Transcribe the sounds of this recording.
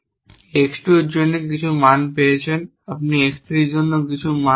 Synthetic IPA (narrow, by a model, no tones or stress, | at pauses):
eksʈɾoɾd͡ʑonːekit͡ɕʰumanpejet͡ɕʰen | ap̚niekst̪ɾiɾd͡ʑonːok̬it͡ɕʰuma